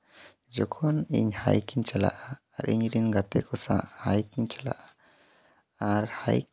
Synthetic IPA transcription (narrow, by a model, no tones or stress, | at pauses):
d͡ʒɔkʰɔnḭɲha̰jkiɲt͡ʃɛla̰ʔaː | ɾiɲɾinɡat̪ɛkɔsa̰hajkiɲt͡ʃɛla̰ʔa | aɾhaj